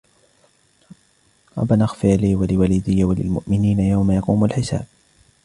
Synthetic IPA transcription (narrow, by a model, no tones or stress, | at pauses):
ɾˤɑ̰banaxfɪʕaliːwalɪwaliːd̪ɪjːawalɪ̰lmʊ̰ʔmɪniːnajawmajɑquːmalħɪsa̰ːb̚